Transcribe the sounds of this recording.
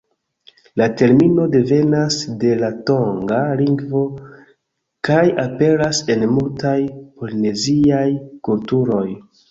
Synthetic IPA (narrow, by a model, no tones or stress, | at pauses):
late̞ɾmino̞de̞ve̞nasde̞lato̞ŋɡaliŋɡvo̞ | kajape̞ɾase̞nmultajpoline̞ziajkultuɾo̞j